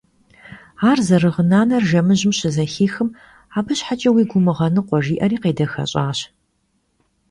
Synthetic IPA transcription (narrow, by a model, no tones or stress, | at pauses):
aːrzɐrɨʁənaːnɐrʒɐmɨʑɪmɕɪzɐxiːxɨm | aːbɨɕħat͡ʃʼɐwiːɡʷʊmɨʁɐnɨqʷɔʒiːʔɐriːqeːdɐxɐ̰ɕʼaːɕ